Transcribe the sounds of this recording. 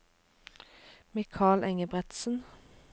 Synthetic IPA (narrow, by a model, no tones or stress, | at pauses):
meːkʰɑːlʔɛŋəbʁɛt̪sən̩